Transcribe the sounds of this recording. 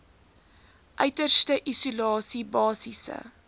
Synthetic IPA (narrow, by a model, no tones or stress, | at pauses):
ʔœɥtərstəʔisulɑːsibɑːsisə̰